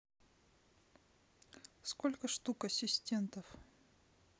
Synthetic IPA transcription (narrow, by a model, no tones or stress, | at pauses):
skolʲkəʂt̪ukɐsʲɪsʲtʲe̞nt̪əf